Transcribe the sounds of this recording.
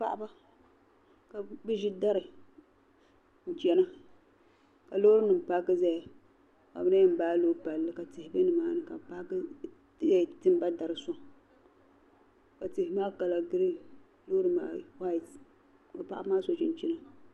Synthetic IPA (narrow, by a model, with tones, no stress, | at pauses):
pa̰˦˨ʔa˦ba˦ | ka˨bɨ˦ʒi˦da˦ɾɨ˨ | n̩˨t͡ʃɛ˦na˦ | ka˨lo˦ɾɨ˦nɨ˨m˨pa˦kɨ˦za˦ja˨ | ka̰˨bɨ˦na˦jɨ˦m˨baː˦lo˦pa˨lːɨ˦ka˨tɪ˨hɪ˨bɨ˦nɨ˨maː˦nɨ˨ka˨pa˦kɨ˦ | za˦jtɨ˦m˦ba˦da˨ɾɨ˨so˦ | ka˨tɪ˨hɪ˨˦maː˦ka˨la˨ɡɨ˦ɾɨ˦ | loː˦ɾɨ˦ma̰ː˨wa˦˨t | bɨ˨pa˨ʔa˦bmaː˦so˨t͡ʃi˦n˦t͡ʃi˦na˦